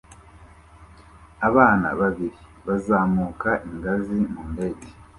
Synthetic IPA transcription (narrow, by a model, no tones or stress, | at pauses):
aβaːna̰βaβiɾiβazaːmukaʔiŋɡazimuːndeɟi̥